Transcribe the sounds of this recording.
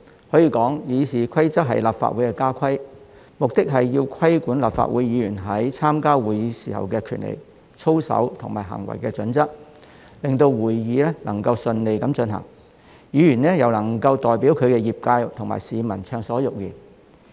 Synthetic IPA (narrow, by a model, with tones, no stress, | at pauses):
hɔː˨˥jiː˧kɔː˨˥ŋjiː˨˧siː˨˩kʰɐ˥jt͡sɐ˥t̚ɦɐ̰˨jlaː˨p̚fa̰˨t̚wuː˨˥jkɛː˧kaː˥kʷʰɐ˥j | mʊ˨k̚t̪ɪ˥k̚ɦɐ˨jjiː˧wkʰɐ˥jkuː˨˥nla̰ː˨˩pfa̰˧t̚wuː˨˧˥jːiː˨˧jyː˨˩nɦɐ˨˥jt͡sʰaː˥mkaː˥wuː˨˩jiː˨˧siː˨˩hɐ̰˨wkɛː˧kʰy̰ː˨˩nlḛ˨˩j | t͡ʃʰo˥wsɐ̰˨˥wt̪ʰʊ˨˩ŋmaː˨˩ɦɐ̰˨˩ŋwɐ̰˨˩jkɛː˧t͡ʃɵ˨˥nt͡sɐ˥k̚ | lɪ˨ŋt̪o˧wwuː˨˩jjiː˨˧lɛ˥lɐ˨˩ŋkɐ˧wsɵ˧nle˨jkɐ˨˥mt͡ʃɵ˧nɦɐ̰˨˩ŋ | jiː˨˧jyː˨˩nɛː˥jɐ˨wlɐ˨˩ŋkɐ˧wt̪ɔː˨jpi˨˥wkʰɵ˨˧ɥkɛː˧jiː˨p̚kaː˧jt̪ʰʊ˨˩ŋma̰ː˨jsiː˨˧mɐ˨˩nt͡ʃʰœː˧ŋsɔː˨˥jʊ˨k̚jḭː˨˩n